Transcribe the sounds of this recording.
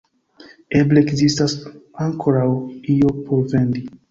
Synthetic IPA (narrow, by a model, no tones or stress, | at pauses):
ebleːkzistasaŋkʰo̞ɾawio̞pʰo̞ɾve̞ndi